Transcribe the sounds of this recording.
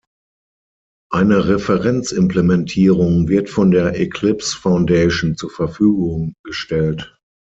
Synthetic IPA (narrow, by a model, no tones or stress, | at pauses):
ʔaɪnəʁɛfəʁɛnt͡sɪmpləmɛntʰiːʁʊŋvɪɐtfɔndeːɐʔɛkʰlɪpsfaʊ̃ndeɪʃn̩t͡suːɐfɛɐfyːɡʊŋɡ̥əʃtɛlt